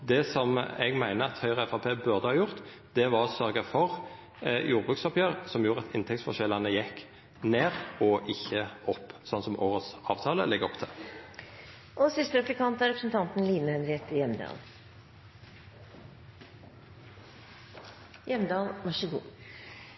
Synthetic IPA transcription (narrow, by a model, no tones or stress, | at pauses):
d̪ɛsɔmɛ̰ɡmæɪnəɑt̪hœʏʁəɛfɑpʰeːbʉʁd̪əhɑːjʊʁt̪ | d̪̥ɛʋɑʁɔsœʁɡəfɔʁ | juːʁbʁʉːksɑpʰjøːʁsɔmjuːʁɑt̪ʰɪnt̪ʰɛk̚sfɔʃɛlːɑnəjɛkː | neːʁɔʔɪçːəɔpːsɔnsɔmʔoːʁəsɑːʋt̪ʰɑːlə̰lɛɡːɔpt̪ʰɪl | ʔɔsɪst̪əɾɛplɪkɑnt̪ɑɾɛpɾəsn̩t̪ʰɑnt̪n̩liːnəhɛnɾɪɛt̪əjɛmd̪ɑ̰ːl | jɛmd̪ɑːlmɑʂəɡṵː